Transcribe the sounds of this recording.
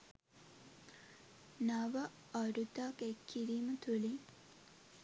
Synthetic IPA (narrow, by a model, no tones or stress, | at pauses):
naʋɐ | ɐɾut̪akekʰːiɾimət̪ʰuli